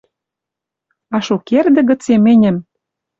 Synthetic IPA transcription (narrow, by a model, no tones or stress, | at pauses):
ɑʃukerd̪ɘ̆ɣə̆t͡semɘ̆nʲɘ̆m